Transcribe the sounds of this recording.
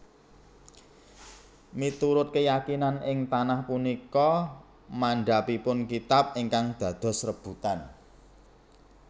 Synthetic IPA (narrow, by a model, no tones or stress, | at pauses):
mit̪uɾʊt̪̚kəjakinanɪŋt̪anahpunikɔ | maɳɖapipʊnkit̪ap̚iŋkaŋd̪̥ä̤d̪̥ɔ̤srəb̥ṳt̪an